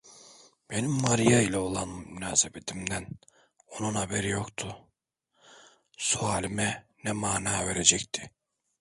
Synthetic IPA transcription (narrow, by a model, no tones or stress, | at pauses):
b̥e̞nimːaɾijailʲao̞lˠanmynaːsebe̞t̪ʰimd̪æn | o̞nunhabeɾijo̞kt̪ʰʊ | suaːlʲimɛnɛmaːnaːve̞ɾed͡ʒɛct̪ʰi̥